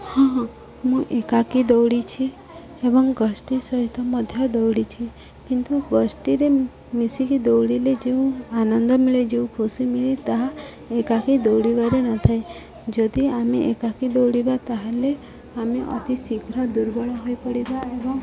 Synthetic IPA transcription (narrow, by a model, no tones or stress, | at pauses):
hã | mũʔekakid̪ɔwɽit͡ʃʰi | ebɔŋɡəsʈisəɦit̪ːɔmɔd̪ʱjɔd̪ɔwɽit͡ʃʰi | kint̪uɡəsʈiɾe | misikid̪ɔwɽiled͡ʒeũanənd̪ɔmiled͡ʒeũkʰusimilet̪aɦa | ekakid̪ɔwɽiʋaɾenɔt̪ʰaj | d͡ʒod̪iameʔekakid̪ɔwɽibat̪aɦale | ameʔə̰t̪isiɡʱɾad̪uɾbɔɭɔɦojpəɽibaebɔŋ